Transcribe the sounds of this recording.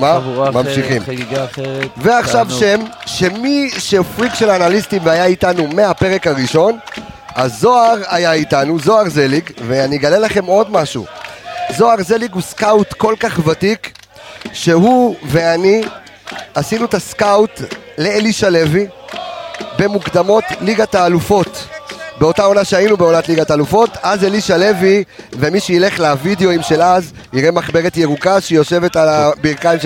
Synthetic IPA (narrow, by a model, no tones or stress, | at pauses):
mamamʃiχim | veaχʃavʃe̞mʃe̞miʃefʁiɡʃe̞laːnalistimveajaitanume̞hape̞ʁe̞kaʁiʃo̞nazo̞aʁajaitanuzo̞aʁzelikve̞aniɡale̞laχe̞mo̞dmaʃṵzo̞aʁzeliɡuskawtko̞lkaχvatik | ʃe̞ɦuve̞ani | asinuetaskawt | leeliʃale̞vi | be̞mukd̪amo̞tliɡataːlufo̞tbe̞o̞tao̞naʃeainube̞o̞natliɡataːlufo̞tazeliʃale̞vi | ve̞miʃeile̞χlavideo̞imʃe̞laz | iʁe̞maχbe̞ʁetje̞ʁukaʃejo̞ʃe̞ve̞talabiʁkaim